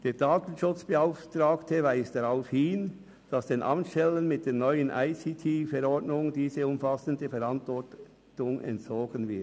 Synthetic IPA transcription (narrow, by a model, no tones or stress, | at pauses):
d̥eːɐdaːtn̩ʃʊt͡sb̥əaʊftɾaːktʰəvaɪsd̥aʁaʊfhɪn | d̥ɑsd̥eːnʔɑ̰mʃtɛlənmɪt̚d̥eːnɔʏənʔa̰ɪsitʰiːfɛɾɔʁdnʊŋdiːzəʊmfasəndəfɛɾɑntvɔt | tʊŋʔɛ̰ntt͡sɔːɡənvɪɐ